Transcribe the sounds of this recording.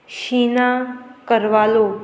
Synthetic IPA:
ʃiːnakəɾʋaːlo

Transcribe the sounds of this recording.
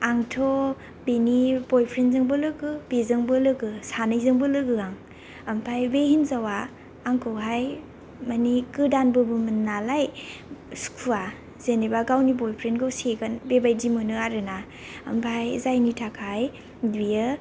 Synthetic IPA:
aŋtʰo | benibojpʰɾenzɯŋbɯlɯɡɯbezɯŋbɯlɯɡɯsanɯjzɯŋbɯlɯɡɯaŋ | ɐmpʰajbehinzawaː | ŋkʰɯwɦaj | manikɯdanbɯbɯmɯnːalaj | skʰua | z̥enebaɡawnibɔjpʰɾenɡɯwseɡanbebajdimɯnɯaɾɯna | ɐ̰mpʰajzajnitʰakʰaj | dwiɯ

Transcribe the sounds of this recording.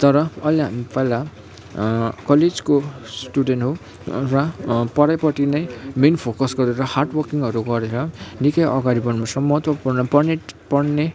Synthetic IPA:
t̪ʌɾʌʌjleɦamipʌjla | kʌled͡zkosʈuɖenʈɦo | rʌpʌɾajpʌʈinʌjminpʰokʌsɡʌɾeɾʌharʈwʌrkiŋʌɾuɡʌɾeɾʌnikʌjʌɡaɾibʌnmasʌmʌɦʌt̪wʌpurnʌpʌnepʌɽne

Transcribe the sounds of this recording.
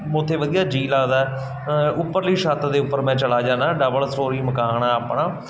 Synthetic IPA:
mõːt̪ʰːeːʋəd̪ijaːd͡ʒiːlaːd̪aːɛ | ʊpːəɾliːʃat̪d̪eːʊpːəɾmɛ̃ːt͡ʃəlaːd͡ʒaːnaːɖəbəlsʈoːɾiːməkaːɳaaːpɳaː

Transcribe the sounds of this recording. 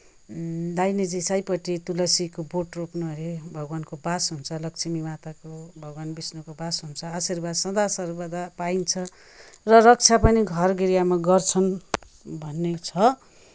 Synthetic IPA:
d̪ajnid͡zisajpʌʈit̪ulʌsikoboʈropnoɾebʱʌɡwankobasɦunt͡sʰʌlʌkt͡sʰimimat̪akobʱʌɡwanbisnukobasɦunt͡sʰʌasirbad̪sʌ̃d̪asʌrbad̪apaint͡sʰʌ | rʌrʌk̚t͡sʰapʌniɡʱʌrɡiɾijamaɡʌrt͡sʰʌn | bʱʌnːet͡sʰʌ

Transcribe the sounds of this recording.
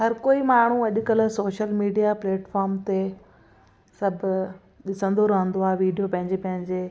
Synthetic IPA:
ɦɐɾkoːimaːɳ̤uɐʄʊkɐlsoːʃəlmiːɖijapleːʈfɔːɾmt̪e | sɐbʱ | ɗɪsə̃nd̪oɾɐɦə̃nd̪oaːeʋiːɖijopɐ̃ɦɪ̃ɲd͡ʑepɐ̃ɦɪ̃ɲd͡ʑeː

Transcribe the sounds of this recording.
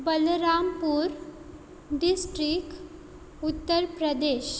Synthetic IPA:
bəlɾampuːɾ | ɖisʈɾik | ut̪ːəɾpɾəd̪eɕ

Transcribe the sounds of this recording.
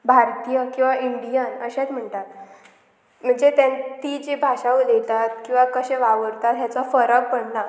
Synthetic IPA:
bʱaɾt̪ijəkĩw̃ʋaʔiɳɖijanəɕat͡s̪m̤əɳt̪at̪̚ | m̤əɳd͡zet̪ant̪id͡ʑebʱaɕaʋulet̪at̪kĩw̃ʋakəɕẽʋaʋəɾt̪at̪jat͡safəɾək̚pəɽna

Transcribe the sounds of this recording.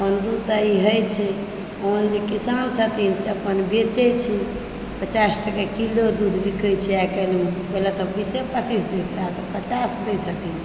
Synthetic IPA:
bənd̪ut̪aiɦəjt͡ʃʰɛ | ond͡ʒekisant͡ʃʰət̪inseəpənbet͡ʃɛt͡ʃʰi | pət͡ʃasʈəkakilod̪ud̪ʱbʱikəjt͡ʃʰɛakəlũbelat̪ɔbisepət̪ʰisd̪ekʰlaɦt̪ɔpət͡ʃasd̪ɛt͡ʃʰət̪in

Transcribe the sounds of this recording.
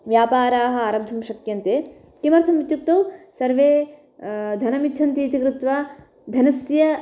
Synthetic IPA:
ʋjaːpaːɾaːɦɐ̆aːɾɐbd̪ʱɐmʃɐkjɐnt̪eː | kimɐɾt̪ʰɐmʋit̪juk̚t̪ɐwsɐɾʋeː | d̪ʱɐnɐmitːt͡ʃʰɐnt̪iːt̪ikɾut̪ʋaː | d̪ʱɐnɐsjɐ

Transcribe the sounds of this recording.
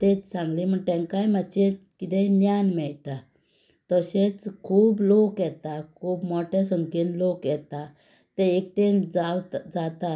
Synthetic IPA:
t̪et͡ssãŋɡlim̤əɡʈ̪ɛ̃ŋkãjmat͡ɕekit̪ɛ̃njanmɛɭt̪a | t̪əɕet͡skʰuːblokjɛt̪akʰuːbmɔʈʰasəŋkinlokjɛt̪a | t̪eek̚ʈend͡zad͡zat̪a

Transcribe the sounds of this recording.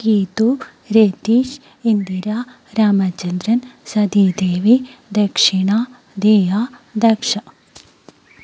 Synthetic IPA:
kiːt̪u | ɾeːt̪iːʃ | ind̪iɾaː | ɾaːmɐt͡ʃɐnd̪ɾɐnsɐd̪id̪eːʋid̪ɐkʂiɳaː | d̪eːjaːd̪ɐkʂɐ

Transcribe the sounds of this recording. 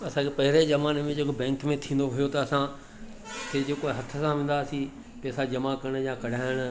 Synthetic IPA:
ɐsãːkʰepɐɦɪɾezɐmaːnmẽd͡ʑekobɛ̃ːŋkmẽt̪ʰĩːn̆d̪oɦʊjot̪ɐːsã | ted͡ʑoːkoɦɐt̪ʰə̆sãʋẽːnd̪aːsi | pɛːsad͡ʑɐmakɐɾɽ̃jãkɐɽ̤ʱaːɪɽ̃ə̆

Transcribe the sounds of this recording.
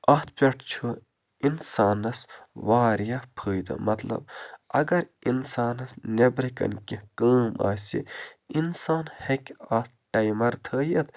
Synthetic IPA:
ɐt̪̚ʰpʲeʈʰt͡ʃʰu | insaːnɐsʋaːɾjɐpʰɨːjd̪ɨ̰mɐt̪lɐ̰b̚ɐ̰ɡɐɾinsaːnɐsnebɾikɐ̰nkikəːma̰ːsḭinsaːnhekʲaːt̪̚ʰʈɐjmɐɾt̪ʰəːjɐt̪

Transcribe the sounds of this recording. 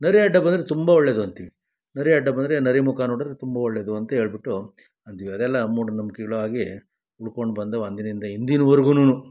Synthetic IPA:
nɐɾiɐɖːɐbɐnd̪ɾet̪umbɐɔɭːed̪uɐnt̪iʋi | nɐɾiɐɖːɐbɐnd̪ɾe̞nɐɾimukaːnoːɽd̪ɾet̪umbɐɔɭːed̪uɐnt̪ɐɦe̞ːɭbiʈːu | ɐnt̪iʋiɐd̪ɛlːɐmuːɽɐnɐmukɛɡɐɭuaːɡi | uɽkoɳɖbɐnd̪ɐɐnd̪inɐind̪ɐind̪inɐʋɐɾuɡunuːnu

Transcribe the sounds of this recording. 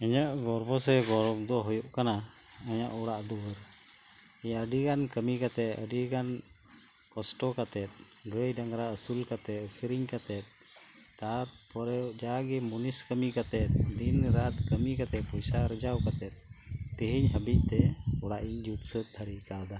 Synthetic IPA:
ɛɲaʔɡɔɾbɔsɛɡɔɾɔk̚d̪ɔɦɔjɔʔkana | aɲaʔɔɽaʔd̪ɔwəɾ | ɛɲaʔəɖiɡankəmikat̪ɛt̪ə̰ɖiɡan | kɔsʈɔkat̪ɛt̪̚ | ɡɾəjɖaŋɾaəsulkat̪ɛt̪̚kʰiɾiɲkat̪ɛt̪̚ | t̪aɾpɔɾɛwd͡ʒaɡɛmuniskəmikat̪ɛt̪̚d̪inɾat̪kəmikat̪ɛt̪̚pɔjsaɾəd͡ʒawkat̪ɛt̪̚t̪əɦiɲɦəbic̚ˀt̪ɛɔɽaʔiɲd͡ʒut̪sət̪̚d̪ʰʱaɽikad̪a

